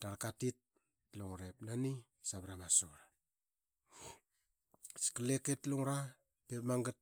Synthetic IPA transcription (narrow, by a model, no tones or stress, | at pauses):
taɾkatit̚ | luŋɾepnani | saβɾamaso̰ɾa | si̥kaleketluŋɾa | pepmaŋɡat̚